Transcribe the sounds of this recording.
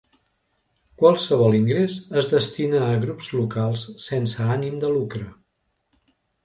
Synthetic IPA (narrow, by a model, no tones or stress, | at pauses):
kwalˠsəβ̞ɔlˠiŋɡɾesəzðəst̪inəːɣɾupzlukalˠsːensəanimd̪əlukɾə